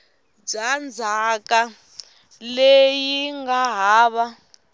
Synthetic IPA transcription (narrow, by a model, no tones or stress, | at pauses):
d͡zand͡zʱakʼa | lejiŋɡaɦaːβa